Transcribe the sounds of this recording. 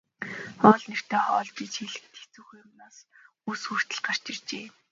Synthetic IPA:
ɔːɮner̥t̪ʰeːχɔːɮtiːt͡ɕxeɮɘ̆k̚t̪ʰe̥t͡suːxujʊmnaːs | usxur̥t̪ə̆ɮɢar̥t͡ɕɪ̆rt͡ɕeː

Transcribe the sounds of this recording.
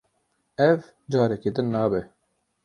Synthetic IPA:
ɛv | d͡ʒaːɾɛked̪ɨnːaːbɛ

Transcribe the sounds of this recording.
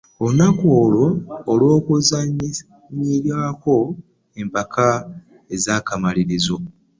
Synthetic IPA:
onakoːlo̞ːlwo̞ːkuzaɲ | ɲiɾaːko̞ | e̞mpaka | e̞zaːkamaliɾizo̞

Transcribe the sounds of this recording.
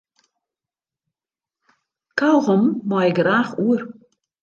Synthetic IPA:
kʰawɣɔmːɔjɪɡraːxuər

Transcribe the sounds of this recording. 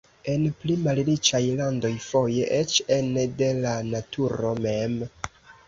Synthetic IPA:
e̞nplimalɾit͡ʃajlando̞jfo̞je̞ʔet͡ʃende̞lanatʰuɾo̞me̞m

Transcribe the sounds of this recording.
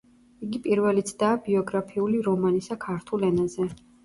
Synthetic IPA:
iɡipʼiɾvɛlit̪sʰd̪aːbiɔɡɾapʰiuliɾɔmanisakʰaɾt̪ʰulɛnazɛ

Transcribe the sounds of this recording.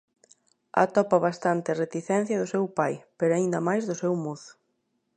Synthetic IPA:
a̰t̪ɔpɐβast̪ant̪ɪret̪iθɛn̟θjɐðʊsewpajpeɾoaind̪ɐmajzðʊsewmoθ

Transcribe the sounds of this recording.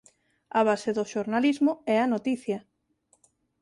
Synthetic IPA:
aβ̞aseðoʃoɾnalizmoɛɐnot̪iθjɐ

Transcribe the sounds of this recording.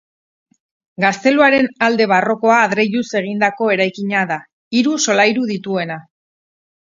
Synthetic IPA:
ɡast̪e̞luaɾe̞nald̪e̞β̞aro̞ko̞aːðɾe̞jʎuse̞ɣ̞ind̪ako̞e̞ɾajkiɲaða | iɾuso̞lajɾuðit̪ue̞na

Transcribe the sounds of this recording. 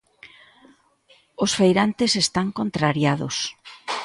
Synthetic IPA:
osfejɾant̪esest̪aŋkont̪ɾaɾjaðʊ̰s

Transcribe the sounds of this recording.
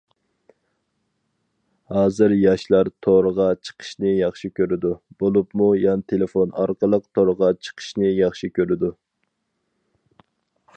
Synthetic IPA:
hɑːzɨɾjɑʃlˠɑɾt̪ʰoɾəʁɑt͡ʃʰə̥qʰə̥ʃnɨjɑχʃikʲøɾɪd̪ub̥olˠupmujɑnɨt̪ʰelefonɑɾqəlˠəq̚t̪ʰoɾʁɑt͡ʃʰə̥qʰə̥ʃnɨjɑχʃikʲʰøɾɪd̪u

